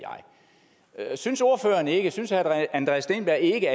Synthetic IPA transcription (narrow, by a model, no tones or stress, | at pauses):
ɑ̈ɪ | synso̝ɐfø̰ːɐnəe̝ɡ̥əsynsæænd̥ʁɛsd̥e̝ːnb̥æɐe̝ɡ̥əæ